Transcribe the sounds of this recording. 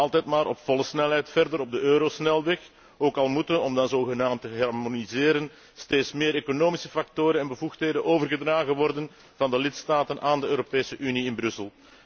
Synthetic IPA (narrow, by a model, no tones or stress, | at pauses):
ɑlˠtɛjtmaːɾʔɔpfɔlˠəsnɛlˠɦɛjtfɛrdəɾɔb̚dəʔøːɾosnɛlˠʋɛx | oːkɑlˠmutənɔmdɑnzoːɣənaːmtəɦɑrmonizɪːɾən | steːtsmɪːɾeːkonoːmisəfɑk̚toːɾənɛnbəvuxtɦeːdənʔoːvərɣədraːɣənʋɔrdən | vɑndəlɪtstaːtənʔaːndəøːɾopeːsəʔyniɪnbrʏsəlˠ